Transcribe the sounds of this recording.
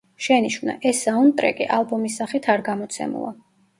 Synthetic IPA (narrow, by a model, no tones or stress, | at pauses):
ʃɛniʃvna̰ʔɛsaunt̪ʼɾɛ̰kʼiʔalˠbɔmisːaχit̪ʰaɾɡamɔt̪sʰɛ̰mṵlˠa̰